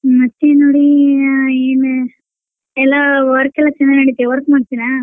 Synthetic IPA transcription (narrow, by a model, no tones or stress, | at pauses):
mɐt͡ʃːenoɽi | eːn | ɛlːaːʋɐɾkɛlːaːt͡ʃɛnːɐnɐɽit̪ːiʋɐɾkmaɽt̪ːinaː